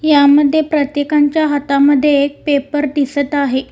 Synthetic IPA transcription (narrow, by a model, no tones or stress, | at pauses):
jaməd̪ʱːjepɾət̪jekaɲt͡ɕjaɦat̪aməd̪ʱːjeːk̚pepəɾd̪isət̪aɦe